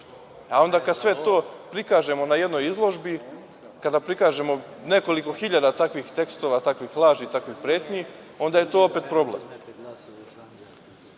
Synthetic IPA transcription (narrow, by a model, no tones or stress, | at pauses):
ao̞nd̪akad̪sʋe̞t̪o̞ːpɾikaːʒe̞mo̞naje̞d̪no̞jizlˠo̞ʒbi | kad̪apɾikaːʒe̞mo̞ne̞ko̞liko̞xiʎad̪at̪akʋixt̪e̞kst̪o̞ʋat̪akʋixlˠaːʒit̪akʋixpɾeːt̪ɲi | o̞nd̪aje̞t̪o̞ːopet̪pɾo̞blḛm